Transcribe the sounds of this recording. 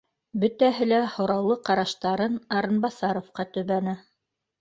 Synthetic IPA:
bɵ̆t̪æɦɘlæhŏɾɑwlˠɤqɑɾɑʃt̪ɑɾɤnɑɾɤ̆nbɑsɑɾŏfqɑt̪ɵ̆βænæ

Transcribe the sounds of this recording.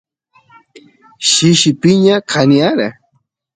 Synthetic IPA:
ʃiʃɪpɪɲakʰaniaɾa

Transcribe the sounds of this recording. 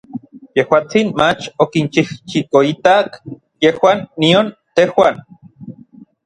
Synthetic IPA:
jehwaːt͡sinmat͡ʃokint͡ʃiht͡ʃikoit̪ak | jehwanːiont̪ehwan

